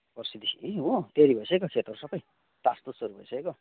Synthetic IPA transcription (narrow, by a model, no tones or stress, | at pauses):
pʌrsid̪isiiũt̪eɾibʱʌjsʌekokʰet̪ʌɾusʌbʌj | t̪ast̪osoɾubʱʌjsʌeko